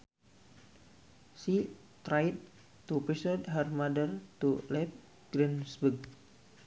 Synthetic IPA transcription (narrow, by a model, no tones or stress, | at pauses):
si | t̪ɾajt̪̚ | tupisɔdɦərmadərt̪ulɛp̚ | ɡ̥ɾinsbəɡ̚